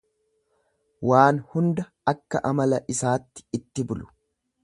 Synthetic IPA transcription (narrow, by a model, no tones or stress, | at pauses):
waːnhʊnd̪ɐ | ɐkːɐ̰ʔɐmɐlɐʔɪsaːt̪ːɪ̥ɪt̪ːɪbʊlʊ̥